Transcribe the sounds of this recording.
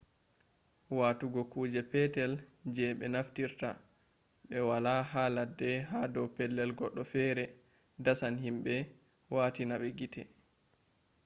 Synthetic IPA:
waːtuɡɔkuːd͡ʒɛpɛtɛld͡ʒɛɓɛnaftiɾta̰ | ɓɛwalahaladɛɦadɔwpɛlːɛlɡɔɗːɔfɛɾɛ | dasanhimɓɛ | waːtinaɓɛɡitʰɛ

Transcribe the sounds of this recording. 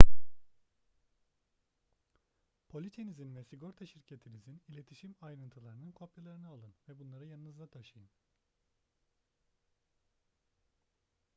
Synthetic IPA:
pʰo̞lʲit̪ʰenizinvɛsiɡo̞ɾt̪ʰaʃiɾcʰe̞t̪ʰinizinilʲe̞t̪ʰiʃimajɾɯnt̪ʰɯlˠaɾɯnɯnkʰo̞pjalˠaɾɯnɯalˠɯnvɛbunlˠaɾɯjanɯnɯzlat̪ʰaʃɯjɯn

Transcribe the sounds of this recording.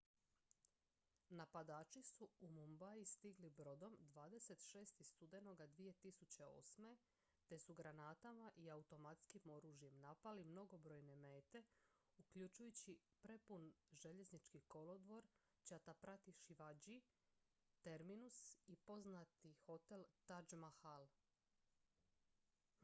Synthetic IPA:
napad̪aːt͡ʃisuumumbajist̪iɡlibɾo̞d̪o̞md̪ʋaːd̪e̞se̞t̪ʃe̞ːst̪ist̪ud̪e̞no̞ɡad̪ʋije̞t̪isut͡ɕe̞o̞̰ːsme̞ | t̪e̞suɡɾanaːt̪amaʔiaut̪o̞mat̪skimo̞ɾuːʒje̞mnapalimno̞ɡo̞bɾo̞ːjne̞me̞ːt̪e̞ | ukʎut͡ʃujut͡ɕipɾe̞punʒe̞ʎe̞znit͡ʃkiko̞lo̞d̪ʋo̞ɾ | t͡ɕat̪apɾat̪iʃiʋad͡ʒi | t̪e̞ɾminusipo̞znat̪ixo̞t̪e̞lt̪ad͡ʒmaxal

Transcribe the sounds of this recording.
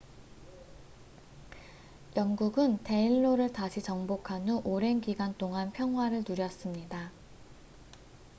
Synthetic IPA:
jʌŋɡuɡɯnte̞iɭːoɾɯɭtaɕʰit͡ɕʌŋbokʰanuʔoɾe̞nɡiɡant͈oŋanpʰjʌŋɦwaɾɯɭnuɾjʌs͈ɯmɲida

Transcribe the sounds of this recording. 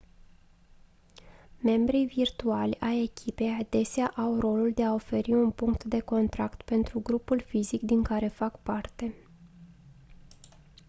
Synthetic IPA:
me̞mbɾivirt̪ualʲaje̞kʲʰipe̞jad̪e̞seaʔawro̞luld̪e̞ao̞fe̞ɾiunpuŋkt̪d̪e̞ko̞nt̪ɾakt̪pe̞nt̪ɾuɡɾupulfizikd̪iŋkaɾe̞fakpart̪e̞

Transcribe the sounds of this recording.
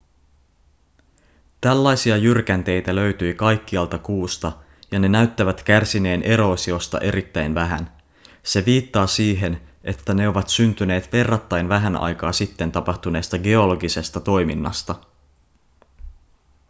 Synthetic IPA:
t̪ælːɑjsiɑjyrkænt̪e̞jt̪ælø̞ɥt̪yːkɑjkːiɑlt̪ɑkuːst̪ɑ | jɑne̞næyt̪ːæʋæt̪k̟ærsine̞ːnʔe̞ɾo̞ːsio̞st̪ɑ̰ʔe̞ɾʔit̪ːæjnʋæɦæ̰n | se̞ʋiːt̪ːɑːsiːɦe̞nʔe̞t̪ːæne̞o̞ʋɑt̪synt̪yne̞ːt̪ʋe̞rːɑt̪ːɑjnʋæɦænʔɑ̰jkɑ̰ːsit̪ːe̞nt̪ɑpɑxt̪une̞ːst̪ɑɡe̞o̞lo̞ɡise̞st̪ɑt̪o̞jminːɑ̰st̪ɑ

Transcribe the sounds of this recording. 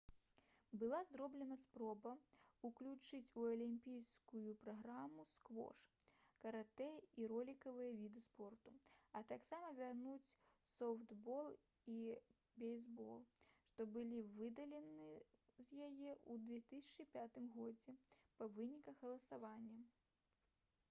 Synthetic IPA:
bɨlˠazɾɔblʲɛnɐspɾɔbɐuklʲut͡ʂɨt͡sʲuɐlʲimʲpʲijskujupɾaɣɾamuskvɔ̰ʂkɐɾat̪ɛiɾɔlʲikɐvɨjɐvʲid̪ɨspɔrt̪uɐt̪aksamɐvʲarnut͡sʲsɔwt̪bɔlˠ | i | bʲɛjzbɔlˠʂt̪ɔbɨlʲivɨd̪ɐlʲɛnɨzʲjajɛud̪vʲɛt̪ɨsʲɐt͡ʂɨpʲat̪ɨmɣɔd͡zʲɛpɐvɨnʲikɐxɣɐlˠɐsavanʲːɐ

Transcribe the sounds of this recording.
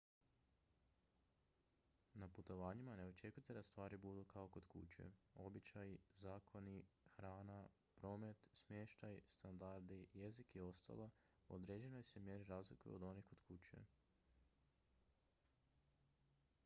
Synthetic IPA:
naput̪o̞ʋaːɲimane̞o̞t͡ʃe̞kujt̪e̞d̪ast̪ʋaːɾibud̪ukao̞ko̞d̪kṵt͡ɕḛo̞bit͡ɕajzaːkʰo̞nixɾaːna | pɾo̞ːme̞t̪smjeːʃt̪ajst̪and̪aɾd̪ijezikio̞st̪a̰lˠa | o̰d̪ɾe̞ːd͡ʑe̞no̞jsemje̞ɾiɾaːzlikuj̰ṵod̪o̞niko̞d̪kut͡ɕḛ

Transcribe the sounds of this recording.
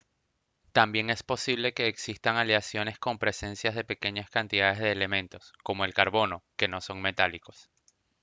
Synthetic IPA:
t̪ambje̞ŋe̞spo̞siβle̞ke̞ːksist̪aŋaljasjo̞ne̞sko̞mpɾe̞se̞nsjazðe̞pe̞ke̞ɲaskant̪iðaðezðe̞ːle̞mẽ̞nt̪o̞sko̞mo̞e̞lkaɾβo̞no̞ke̞no̞so̞ŋme̞t̪aliko̞̥s

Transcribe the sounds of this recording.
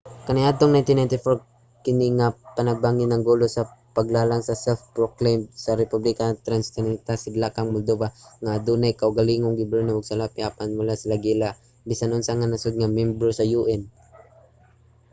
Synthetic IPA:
kɐnɪad̪̚t̪oŋnajnt̪ɪnːajnt̪ɪfoɾ | kɪniŋapanɐɡ̚baŋɪnːɐŋɡulosɐpɐɡlaːlaŋsɐsɛf̚pɹoklejmsɐɾɛpublikant̪ɾanst̪ɛnɛnt̪asɪd̪lakaŋmʊld̪ovaŋad̪unajkaʔʊɡaliŋoŋɡɪbɛnoʔʊɡ̚salapɪʔaːpanmʊlasɪlaɡila | bisanonsaŋanɐsod̪̚ŋamɛmbɾosɐjuʔɛn

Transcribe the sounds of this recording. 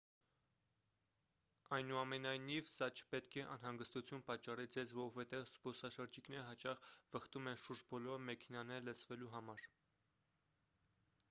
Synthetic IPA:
ɑjnuɑmɛnɑjnivsɑt͡ʃʰə̥pɛt̪kʰɛʔɑ̰nɦɑŋɡəst̪ut͡sʰjunpɑt͡ʃːɑrid͡zɛzvɔɾɔvɛt̪ɛvspɔsɑʃəɾd͡ʒikʰnɛɾəɦɑt͡ʃɑχvəχt̪umɛnʃuɾd͡ʒbɔlɔɾmɛkʰɛnɑnɛɾlət͡sʰvɛluɦɑmɑɾ

